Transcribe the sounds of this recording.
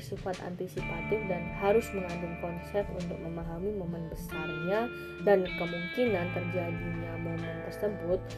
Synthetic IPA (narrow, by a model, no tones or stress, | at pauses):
sifat̪a̰nt̪isipat̪ɪfdanhaɾʊsməŋad͡ʒʊmkɔnsɛfunt̪ʊk̚məmaɦamimomɛnbəsarɲa | dankəmuŋkinant̪ərd͡ʒadiɲamomɛnt̪ərsəbʊt̪̚